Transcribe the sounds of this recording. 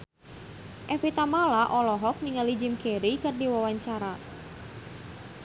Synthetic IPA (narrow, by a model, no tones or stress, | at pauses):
ʔɛfit̪amalaʔɔlɔɦɔk̚niŋalid͡ʒimkɛɾikɨrdiwawaɲt͡ʃaɾa